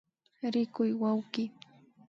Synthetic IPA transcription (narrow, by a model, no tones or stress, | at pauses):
ɾɪkʊjwawɢɪ